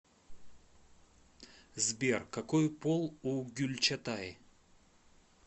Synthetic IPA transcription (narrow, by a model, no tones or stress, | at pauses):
zbʲe̞rkɐkojpolˠuɡʲʉlʲt͡ɕɐt̪aɪ